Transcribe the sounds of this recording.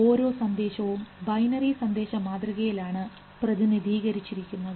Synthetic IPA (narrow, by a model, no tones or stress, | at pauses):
o̞ːɾo̞ːsɐnd̪e̞ːɕɐʋumbɐjnɐrisɐnd̪e̞ːɕɐmaːd̪riɣɐjilaːɳɨ | prɐðinid̪ʱiːɣɐɾit͡ɕːiɾikʲːunːɐðɨ